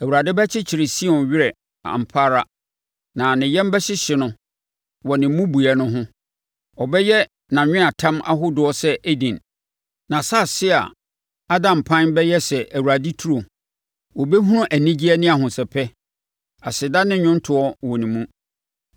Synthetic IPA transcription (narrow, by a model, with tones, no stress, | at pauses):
æ˨wu˨ɾa˨dɪ˦bæ˦t͡ɕʰɪ˦t͡ɕʰɪ˨ɾɪ˨si˦ɔ̃˨nɥɪ˦ɾɛ˨ | a̰˨m̩˨pʰaː˦ɾa˦ | nã˨nɪ̃˨jɛ̃˦m˦bɛ˦ɕɪ˦ɕɪ˨nʊ̃˨ | wɔ˨nɪ̃˨m˦mũ˦bu˨a˨nʊ̃˦ɦʊ̃˦ | ɔ˨bɛ˦jɛ˦ | nã˨ɲᶣɪ̃˦a˨tʰã˦ma̰˦ɦʊ˦dʊ˨ɔ˦sɛ˦ʔe˦dĩ˨n | nã˨sa˦˨sɪ˦a̰˨ | a˦dã˨mpʰã˦nbɛ˦jɛ˦sɛ˨ʔæ˨wu˨ɾa˨dɪ˦tʰu˦ɾo˨ | wɔ˨be˦ɦũ˦ɾʊ̃˦ʔæ˨nĩ˦d͡ʑi˦ɛ˦nɪ̃˦a˨ɦʊ̃˨sɛ˨pʰɛ˦ | a˨sɪ˨da˦nɪ̃˦ɲʊ̃˦n˦tʰʊ˨ɔ˦wɔ˨nĩ˨mũ˦